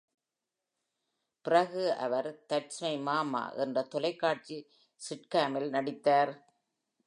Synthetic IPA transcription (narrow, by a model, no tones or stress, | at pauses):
pɪrɐɣɯʔɐ̰ʋɐɾt̪ɐʈsmɐɪmaːma̰ːʔɛ̰ndrɐt̪ːɔlɐɪkːaːʈ̚t͡ʃi | sɪʈkaːmɪlnɐɽɪt̪ːaːɾ